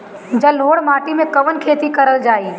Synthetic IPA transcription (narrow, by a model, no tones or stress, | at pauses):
d͡ʒɐlɦoːɽmaːʈimẽkɐʋənkʰeːt̪ikɐɾəld͡ʒaːiː